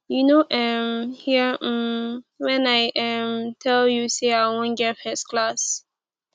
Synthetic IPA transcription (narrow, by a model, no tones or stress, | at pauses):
junoʔɛmhi | wɛ̃naɪʔɛmtʰɛljuseaɪwɔ̃nɡɛtfɛskʰlas